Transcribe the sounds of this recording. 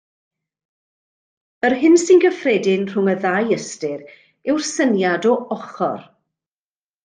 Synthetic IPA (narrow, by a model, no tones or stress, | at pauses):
ərɦɪnsɪnɡəfrɛdɪnr̥ʊŋəðajəstɪɾ | ɪwrsənjadɔɔχɔ̰r